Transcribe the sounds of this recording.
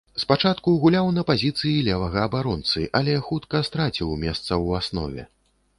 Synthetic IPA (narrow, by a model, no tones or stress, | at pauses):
spat͡ʂat̪kuɣulʲawnɐpazʲit̪sɨjilʲɛvɐɣɐːbaɾɔnt̪sɨʔɐlʲɛxut̪kɐst̪ɾat͡sʲiwmʲɛst̪sɐwasnɔ̰vʲɛ̰